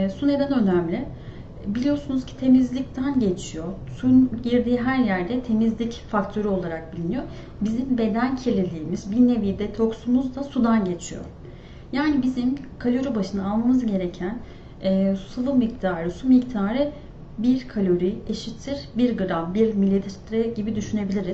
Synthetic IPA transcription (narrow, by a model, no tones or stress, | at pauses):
sune̞d̪ɛnø̞næmlʲɪ | bilʲijo̞sunuz̥cʰi̥t̪ʰe̞mizlʲic̚t̪ʰænɟe̞t͡ʃʰijo̞sunɟiɾd̪iːɦæɾjæɾd̪ɛt̪ʰe̞mizlʲicfak̚t̪ʰø̞ɾyo̞lˠaɾak̚bilʲinijo̞ | bizimbe̞d̪æncʰelʲelʲiːmizbine̞vijd̪ɛt̪ʰo̞ksumuzd̪asud̪anɟe̞t͡ʃʰijo̰ | jaːnibizimkʰalʲo̞ɾibaʃɯnaaːlˠmamɯzɟe̞ɾe̞cʰæn | ɛːsɯvˠɯmic̚t̪ʰaːɾɯsumict̪ʰaːɾɯ | biɾkʰalʲo̞ɾieʃit̪ʰːiɾbiɾɡɯɾalˠbiɾmilʲːit̪t̪ɾɛɟibid̪yʃyne̞bilʲiɾiz̥